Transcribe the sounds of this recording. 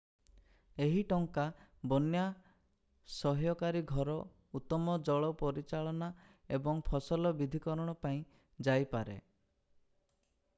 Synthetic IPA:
eɦiʈɔŋkabɔnja | sɔɦjɔkaɾiɡʱɔɾɔ | ut̪ɔmɔd͡ʒɔɭɔpɔɾit͡ʃaɭɔna | ebɔŋpʰɔsɔlɔbid̪ʱikɔɾɔɽ̃ɔpaĩ | d͡ʒajpaɾḛ

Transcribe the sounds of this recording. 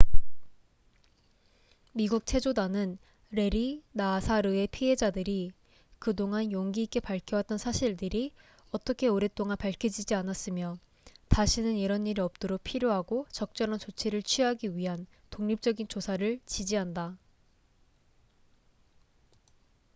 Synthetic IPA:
miɡuk̚t͡ɕʰe̞d͡ʑodanɯn | ɾe̞ɾinasʰaɾɯe̞pʰiɦe̞d͡ʑadɯɾi | kɯdoŋanjʌŋɡiik͈e̞paɭkʰjʌwat͈̚ʌnsʰaɕʰiɭdɯɾi | ʌt͈ʌkʰe̞oɾe̞t͈oŋanpaɭkʰjʌd͡ʑid͡ʑianas͈ɯmjʌ | taɕʰinɯniɾʌniɾiʌp̚t͈oɾok̚pʰiɾjoɦaɡot͡ɕʌk̚t͡ɕ͈ʌnant͡ɕot͡ɕʰiɾɯɭt͡ɕʰɥiɦaɡiɥiɦan | toŋɲip̚t͡ɕ͈ʌɡint͡ɕosʰaɾɯɭt͡ɕid͡ʑiɦanda

